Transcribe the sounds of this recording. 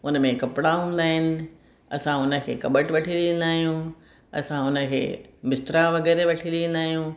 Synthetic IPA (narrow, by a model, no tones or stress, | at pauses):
ʊnə̆mẽkɐpɽaɦũːn̆d̪aːɦɪnɪ̆ | ɐ̰sãʊnə̆kʰḛːkɐɓəʈʋɐʈʰiɗiə̃n̆d̪aːɦijũ | ɐ̰sãʊnə̆kʰḛːmɪst̪ɾaʋɐɡɛːɾeʋɐʈʰiɗiə̃n̆d̪aːɦijũː